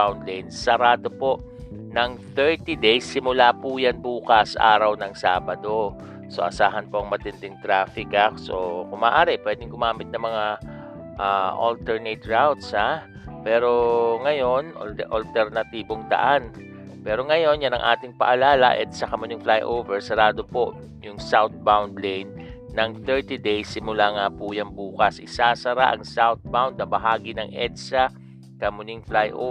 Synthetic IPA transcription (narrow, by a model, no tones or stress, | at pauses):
awnd̪lajnːɐɾaːd̪opo̞ʔ | nɐŋθɛɹt̪id̪ejsːɪmʊlaːpujanbuːkɐsʔa̰ːɾɐwnɐŋsaːbɐd̪o̞ | so̞̰ʔɐsaːɦɐnpo̞ʔɐŋmɐt̪ɪnd̪ɪŋt̪ɾaːfɪkakso̰kʊmaːʔaːɾɪpwɛːd̪ɪŋɡʊmaːmɪt̪nɐŋmɐŋa | ʔaʔɐ̰lt̪ɛɹnɛt̪̚ɹawt̪sha | pɛːɾo̞ŋɐjo̞n̰ʔɐlt̪ɛɾnɐt̪iːbo̞ŋd̪ɐ̰ʔan | pɛːɾo̞ŋɐjo̞njanɐŋʔa̰ːt̪ɪŋpɐ̰ʔɐlaːlɐ̰ʔɛ̰d̪sakɐmʊnɪŋflajʔowvɛɹsɐɾaːd̪o̞po̞ʔ | jʊŋsawt̪̚bawnd̪lɛjnː | ɐŋθɛɹt̪id̪ejsːɪmʊlaŋaːpujɐŋbuːkɐsʔɪsaːsɐɾaʔɐ̰ŋsawt̪̚bawnd̪ɐŋbɐɦaːɡɪnɐŋʔɛd̪̚sa | kɐmʊnɪŋflajʔo̰